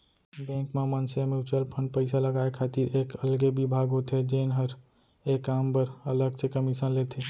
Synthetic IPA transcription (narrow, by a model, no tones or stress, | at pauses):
bɛ̃ːŋkmemənseamiʊt͡ʃəlpʰə̃ɳɖpəɪsaləɡaːekʰaːt̪iɾeːkəlɡebibʱaːɡɦot̪ʰed͡ʒeːnɦəɾ | eːkaːmpəɾɐləɡsekəmɪsə̃nleːt̪ʰe